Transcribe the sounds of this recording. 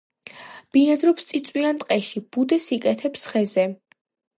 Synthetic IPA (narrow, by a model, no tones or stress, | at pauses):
b̥inad̪ɾɔpst̪sʼit̪sʼwiant̪ʼqʼɛʃib̥ud̪ɛsikʼɛt̪ʰɛpsχɛzɛ